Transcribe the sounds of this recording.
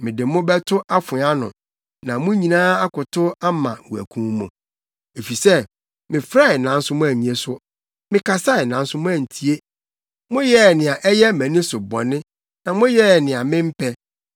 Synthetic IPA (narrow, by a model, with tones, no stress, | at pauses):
mɪ̃˨dɪ˨mʊ̃˦bɛ˦tʰʊ˦ʔa˦fʊ˨˦a˦nʊ̰̃˨ | nã˨mʊ̃˦ɲĩ˨nãː˦a˦kʊ˨tʰʊ˦a˦mã˨wu˨æ̰˨kʰũ˦mmṵ̃˨ | e˨fi˨sɛ˦ | mɪ̃˨fɾa˦ɪ˨nã˨n̩˦sʊ˦mʊ̃˦æ˨mĩ˨e˨sʊ˦ | mɪ̃˨kʰa˨sa˦ɪ˨nã˨˦n̩˦sʊ˦mʊ̃˦æ˨n̩˨tʰi˦e˦ | mʊ̃˦jɛ˦˨nɪ̃˨a˨ʔɛ˦jɛ˦mæ̃˨nɪ̃˦sʊ˨bɔ̰˨nɪ̃˦ | nã˨mʊ̃˦jɛ˦˨nɪ̃˨a˨mɪ̃˦m̩˦pʰɛ˦